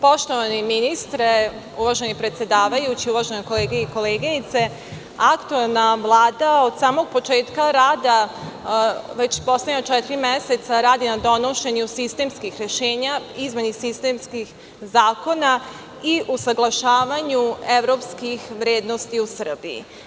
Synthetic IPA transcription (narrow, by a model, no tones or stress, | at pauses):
po̞ʃt̪o̞ʋaniminist̪ɾe | uʋaʒenipɾet̪sje̞d̪aːʋajut͡ɕiuʋaʒenoko̞leːɡeiko̞leːɡinit̪se̞ | akt̪uelˠnaʋlˠaːd̪ao̞d̪saːmo̞ɡ̚po̞t͡ʃe̞ːt̪kaɾaːd̪a | ʋe̞t͡ɕpo̞sleɲat͡ʃɛt̪iɾimjeset̪saɾaːd̪inad̪o̞no̞ʃe̞ɲusist̪emskixɾe̞ʃeːɲaizmenisist̪emskix | zaːko̞na | iʔusaɡlˠaʃaːʋaɲue̞ʋɾo̞pskixʋɾeːd̪no̞st̪iusr̩bḭḭ